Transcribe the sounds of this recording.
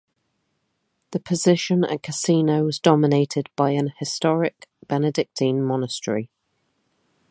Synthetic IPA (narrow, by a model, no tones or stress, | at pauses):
ðəpʰəzɪʃə̃nə̰kʰəsiːnəʊwɒzdɒmɪneɪtʰɪdb̥aɪə̃nhɪstɒɹɪkb̥ɛnɪdɪk̚tʰɪ̃nmɒnəstɹ̥ḭ